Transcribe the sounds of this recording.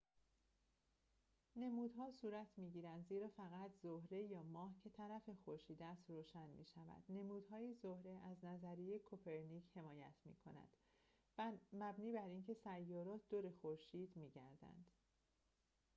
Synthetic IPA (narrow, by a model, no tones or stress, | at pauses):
ne̞muːd̪ɦɒːsuːɾæt̪ʰmiːɟiːɾænd̪ziːɾɒːfæɣæt̪ʰzohɾe̞jɒːmɒːhcʰe̞t̪ʰæɾæfe̞xoɾʃiːd̪æst̪ɾoːʃænmḭːʃævæ̰d̪̥ne̞muːd̪ɦɒːjizohɾe̞ʔæznæzæɾijekʰopʰe̞ɾniche̞mɒːjæt̪ʰmḭːkʰo̞næ̰d̪̥ | mæbniːbæɾiːncʰe̞sæjːɒːɾɒːt̪ʰd̪oɾexoɾʃiːd̪miːɟæɾd̪æ̰nd̪̥